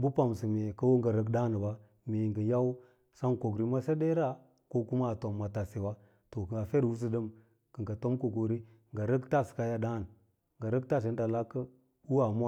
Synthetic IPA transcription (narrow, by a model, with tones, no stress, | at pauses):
bu˦pa˨m˨sə˨me˨kə˦wo˦ŋɡa˨ɾə˦ɡda˦n˨ba˦ | me˨ŋɡə˨ja˦w | sa˦ŋko˨ɡɾi˨˦ma˦se˦de˦ɾa˦ | ko˦ku˦ma˦˨to˨mːa˨ta˨se˨wa˦ | to˨kə˨ɡa˨fe˦ɾwu˦s̬ə˦də˦m | kə˨ŋɡa˨to˦mko˨ko˨ɾi˦ | ŋɡa˨ɾə˦kta˦˨ska˦ja˦da˦˨n˨ | ŋɡa˨ɾə˦k̚ta˦˨s̬e˨˦n˦da˨la˦kə˦ | u˦a˨mu˦a˦˨